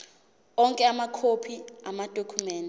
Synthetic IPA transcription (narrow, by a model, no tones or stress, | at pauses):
ɔŋkʼɛamakʰopʰiamad̥ʱokʰumɛːndɛ